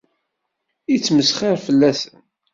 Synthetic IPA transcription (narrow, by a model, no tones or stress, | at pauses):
it͡sːməsχeɾfəlːæsən